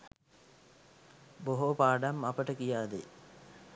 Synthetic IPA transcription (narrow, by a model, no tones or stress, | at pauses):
boɦopaːɖamɐpəʈəkijaːd̪e